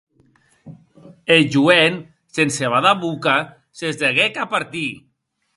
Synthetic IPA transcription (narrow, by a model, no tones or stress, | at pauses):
elʒuen | senseβaðaβuka | sezðeɣekapaɾt̪i